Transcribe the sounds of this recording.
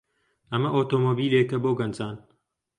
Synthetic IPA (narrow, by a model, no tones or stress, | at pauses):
ɐmɐʔoːt̪oːmoːbiːlekɐboːɡɐnd͡zaːn